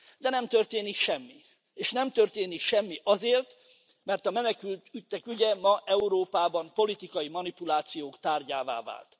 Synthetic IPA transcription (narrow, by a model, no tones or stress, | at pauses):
d̪ɛnɛmt̪ørt̪eːnikʃɛmːi | eːʃnɛmt̪ørt̪eːnikʃɛmːiʔɒzeːrt̪ | mɛrt̪ɒmɛnɛkylt̪yt̪ːɛkyɟɛmɒʔɛuɾoːpaːbɒmpo̞lit̪ikɒjimɒnipulaːt̪sijoːkt̪aːrɟaːva̰ːva̰ːlt̪